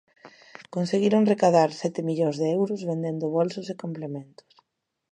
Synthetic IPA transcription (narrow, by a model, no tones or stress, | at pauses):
konseɣiɾoŋrekaðaɾsɛt̪ɪmiʎoŋzðeewɾʊzβend̪end̪ʊβolsʊsekomplemẽnt̪ʊ̥s